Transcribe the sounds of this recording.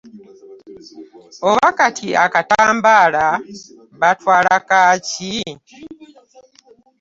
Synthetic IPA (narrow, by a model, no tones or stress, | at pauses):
oβakatʰiʔakataːmbaːla | βatwaːlakaːci